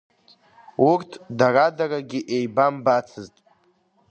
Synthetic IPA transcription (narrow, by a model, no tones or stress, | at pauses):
urtʰdaradaraɡʲiʔejbambat͡sʰɨztʼ